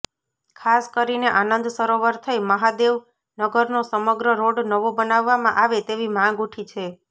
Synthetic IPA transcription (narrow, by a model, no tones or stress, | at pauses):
kʰaskəɾineʔanənd̪səɾoʋəɾt̪ʰəiməɦad̪eʋ | nəɡəɾnosəməɡɾəɾoɖnəʋobənaʋːamã̰ʔaʋet̪eʋimãɡuʈʰit͡ʃʰe